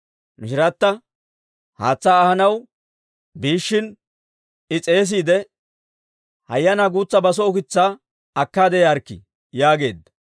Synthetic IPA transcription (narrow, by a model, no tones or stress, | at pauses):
mɪʃɪɾɐt̪ːɐ | ha̰ːt͡sːaːhɐnɐw | biːʃːɪn | ɪt͡sʼe̞ːs̬iːd̪ɛ | hɐ̰jːɐnaɡuːt͡sːɐbɐs̬ɔːkɪt͡sːa | ɐkːaːd̪ɛjɐɾkːɪ̰ | jaːɡe̞̰ːd̪ːɐ̥